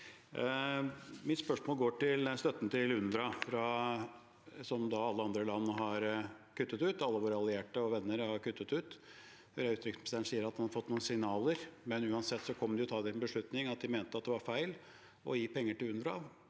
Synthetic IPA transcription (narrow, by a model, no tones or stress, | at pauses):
mɪt̪spœʂmoːlɡoːʈɪlst̪œt̪ːənət̪ʰɪlʉnd̪ɾɑfɾɑ | sɔmd̪ɑɑlːəɑnd̪ɾəlɑnːəɦɑɾkʰʉt̪ːət̪ʉːt̪ɑlːəʋoːɾəɑlːɪeːʈəɔʋɛnːəɾhɑɾkʉt̪ːət̪ʉːt̪ | fɔɾɛʉːt̪ɾɪksmst̪eːəɳsiːəɾɑt̪d̪ɛnhɑd̪əfɔt̪nuːn̩sɪŋnɑːləɾmɛnʉːɑnsɛt̪ːsɔkʰɔmːd̪ɛjʊt̪ʰɑːd̪ɛɛnbəʂɭʉt̪nɪŋɑt̪̚d̪ɪmeːnt̪əɑt̪̚d̪ɛʋɑɾfæɪl | ʔɔ̰jiːpʰɛŋːəʈɪlʉnd̪ɾɑɑʋ